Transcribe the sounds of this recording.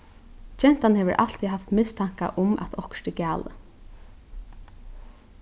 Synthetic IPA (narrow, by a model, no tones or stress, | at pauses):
t͡ʃɛn̥t̪anhɛːʋəɾʔa̰l̥t̪ʰiɦaft̪mɪst̪ʰaŋ̥ka̰ʔʊmæ̰t̪ʰɔhkt̪ɪkæːlə̰